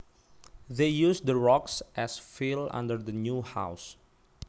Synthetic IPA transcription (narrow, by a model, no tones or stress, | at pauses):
ðejusd̪əɹɔksʔɛsfilã̰ndəɹdənjuha̰ws